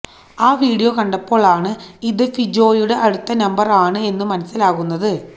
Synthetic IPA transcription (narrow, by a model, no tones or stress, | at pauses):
aːʋiːɽijokɐɳɖɐpːo̞ːɭaːɳɨiðɨfid͡ʑo̞ːjuɽe̞ʔɐɽut̪ːɐnɐmbɐraːɳɨe̞nːɨmɐnɐsːilaːɣunːɐðɨ